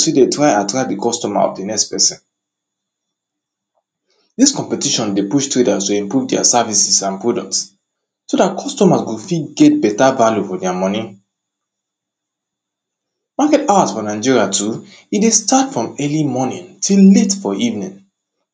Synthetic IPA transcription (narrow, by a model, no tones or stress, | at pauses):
swidetɹaɪatɹak̚dikʰɔstɔma̰ɔ̰fdinɛkspɛsĩn | diskɔ̃mpɛtiʃɔ̃ndepuʃtɹedastoɛ̃mpɹuvdɛa̰savisisãnpɹudɔkts | sodatkʰɔstɔmasɡofitɡɛt̚bɛtavaljufɔdɛamɔnĩ | makɛtaasfɔnaɪd͡ʒiɹiatʰu | idestatfɹɔ̃mɛlimɔnḭ̃ntʰilːetfɔivnĩŋ